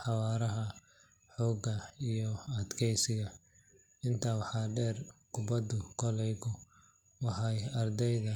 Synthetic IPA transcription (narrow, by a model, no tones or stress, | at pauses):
ħɑwɑːɾɐɦɐ | ħɔːɡɐijɔɐd̪kʰɛjsɪɣɐ | ɪnt̪ʰaːwɑħɑːɖɛːrkʰʊbɐd̪ʊkʰɔlɛjɣʊ | wɑħɑjɐrd̪ɛjðɐ